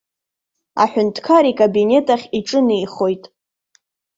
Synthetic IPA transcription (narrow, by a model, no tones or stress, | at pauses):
a̰ħʷᶣʊntʰkʰaɾikʼabine̞tʼaχʲiʈ͡ʂʼɨnejχo̞jtʼ